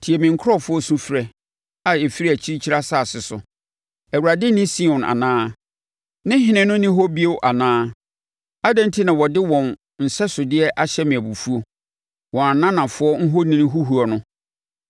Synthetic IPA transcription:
tʰi˨ɛ˨mɪ̃˨ŋ̩˨kʰʊ˦ɾɔ˦˨fʊ˦ɔ˦sũ˦fɾɛ˦ | a˨e˨fi˦ɾi˦æ˨t͡ɕʰi˦i˦t͡ɕʰi˦ɾa˦sa˦˨sɪ˨sʊ̰˨ | æ˨wu˨ɾa˨dɪ˦nɪ̃˦sĩ˦˨ʊ̃˨nʔa̰˨nãː˦ | nɪ̃˦ɦɪ̃˨˦nɪ̃˦nʊ̃˦nɪ̃˦ɦo˦bi˦e˦wʔa˨nãː˦ | a˦dã˦n˦tʰi˦nã˨wɔ˨dɪ˦wɔ̃˨n | n̩˨sɛ˦sʊ˨dɪ˦ɛ˦ʔa˨ɕɛ˦mĩ˨æ˨bu˨fu˦o˦ | wɔ̃˨a˨nã˦nã˨fʊ˦ɔ˦ŋ̩˦ɦo˦nĩ˦ñ˦ɦu˦ɦu˨ɔ˨nʊ̃˦

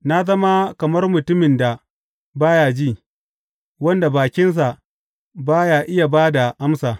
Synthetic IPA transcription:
na˦zɐ˦ma˦kɐ˨mɐ˦rmʊ˨tʊ˦mɪ˨nda˨ | baː˦jaː˨d͡ʒiː˦˨ | wɐ˦nda˨baː˨kʲɪ˦ns̬a˨ | baː˦jaː˦˨ʔɪ˦ja˨baː˦da˨ʔa˦msaː˨

